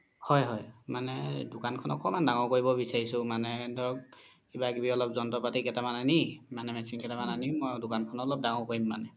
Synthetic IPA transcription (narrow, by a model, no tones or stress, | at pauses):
hɔjɦɔjmanɛdʊkankʰɔnɔ̰kʰɔmandaŋɔkoɹibɔbisaɹisʊmanɛdʱɔɹɔk̚ | kibakibiɔlɔp̚zɔntɔpatikɛtamananimanɛmɛsinkɛtamananimɔjdʊkankʰɔnɔɔlɔp̚daŋɔkoɹimːa̰nɛ